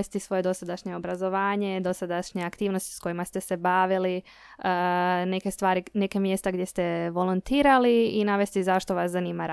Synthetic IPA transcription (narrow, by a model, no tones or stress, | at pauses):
est̪isʋo̞je̞d̪o̞sad̪aʃɲe̞o̞bɾazo̞ʋaːɲe̞d̪o̞sad̪aʃɲeakt̪iːʋno̞st̪i̥sko̞jimast̪e̞se̞baʋili | əne̞kest̪ʋaːɾine̞kemje̞st̪aɡdʲje̞st̪e̞ʋo̞lunt̪iːɾaliinaʋe̞st̪izaʃt̪o̞ʋaszanimaɾ